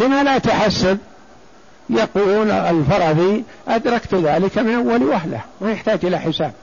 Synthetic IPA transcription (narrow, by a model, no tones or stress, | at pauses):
bɪmalat̪ʊħasːab̚ | jaquːlɪlfɑɾˤɑðˤi | ʔad̪ɾˤɑkt̪ðaːlɪkamɪnʔawːalwaɦla̰hmajɪħt̪aːd͡ʒʔɪlaħɪsaːb̚